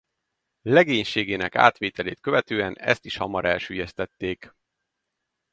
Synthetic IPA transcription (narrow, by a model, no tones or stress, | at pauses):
lɛɡeːɲʃeːɡeːnɛka̰ːt̪ʋeːt̪ɛleːt̪̚køvɛt̪øːɛnɛ̰st̪iʃhɒ̰mɒɾɛlʃyːjɛst̪ɛt̪ːeːk